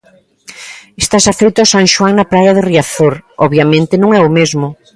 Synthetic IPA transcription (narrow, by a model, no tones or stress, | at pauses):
est̪asafejt̪ʊasaŋʃwaŋnapɾajaðɪriaθoɾɔβjamẽnt̪ɪnõŋɛʊmezmʊ